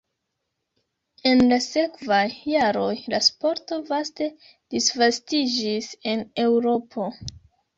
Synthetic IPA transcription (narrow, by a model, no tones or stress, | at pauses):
e̞nlase̞kvajːaɾo̞jlaspoɾto̞vaste̞ | d̥isvastid͡ʒise̞ne̞wɾo̞pʰo̞